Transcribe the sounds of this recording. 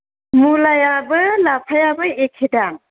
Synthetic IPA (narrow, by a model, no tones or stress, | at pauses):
mulajabɯlapʰajabɯekʰedan